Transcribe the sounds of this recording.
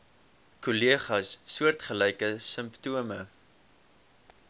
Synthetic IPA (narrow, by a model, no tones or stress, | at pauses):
kuliəχɐsːuərtχəlɛjkəsəmptuəmə